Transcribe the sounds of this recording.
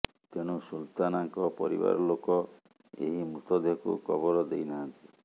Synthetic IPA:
t̪eñusult̪anaŋkɔpɔɾḭba̰ɾɔlokɔ | ḛɦimut̪ɔd̪ʱekṵkɔbɔɾɔd̪ejnant̪i̥

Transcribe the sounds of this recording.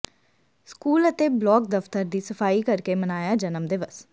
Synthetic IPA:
skuːlət̪eːblɔːk̚d̪əft̪əɾd̪iːsəfʰaːiːkəɾkeːmənaːjaːd͡ʒənəmd̪eʋəs

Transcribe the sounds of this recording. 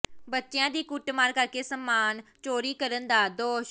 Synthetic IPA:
bətːʃejãːd̪iːkʊʈmaːɾkəɾkeːsəmːaːnt͡ʃoːɾiːkəɾənd̪aːd̪oːʃ

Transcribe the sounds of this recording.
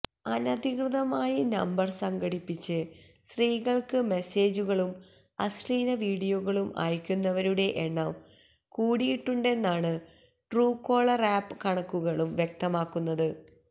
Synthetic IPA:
ɐnɐd̪ikrɨðɐmaːjinɐ̰mbɐrsɐŋɡɐɽipːit͡ɕːɨsriːɣɐɭkɨme̞se̞ːd͡ʑuɣɐɭum | ɐsliːnɐʋiːɽijoɣɐɭumʔa̰ːjkʲːunːɐʋɐɾuɽe̞ʔeɳːɐm | kuːɽijiʈːuɳɖe̞nːaːɳɨ | ʈruːkːo̞ːɭɐraːpːɨkɐɳɐkːuɣɐɭumʋje̞k̚t̪ɐmaːkːunːɐðɨ

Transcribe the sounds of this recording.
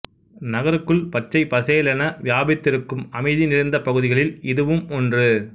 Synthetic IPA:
nɐɣɐɾɯkːɯɭpɐʈʈt͡ʃːɐɪpɐseːlɐnɐʋjaːbɪt̪ːɪɾɯkːɯmɐmɐɪðinɪɾɐɪnd̪ɐpɐɣɯðɪɣɐɭɪlɪðɯʋɯmɔndrɯ

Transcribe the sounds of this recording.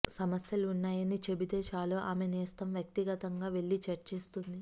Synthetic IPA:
sɐmɐsjɐlunːaːjɐnit͡ʃebid̪eːʃaːloːʔaːmeniːst̪ɐmʋjɐk̚t̪iɡɐt̪ɐŋɡaːʋe̞ɭːit͡ʃɐɾt͡ʃeːst̪und̪i

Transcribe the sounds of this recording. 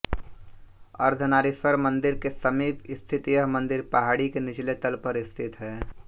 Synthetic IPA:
əɾd̪ʱənaːɾiswəɾmə̃nd̪ɪɾkesəmiːpɪst̪ʰɪt̪ijəɦmə̃nd̪ɪɾpəɦaːɽikenɪt͡ʃlet̪əlpəɾɪst̪ʰɪt̪ɦɛː

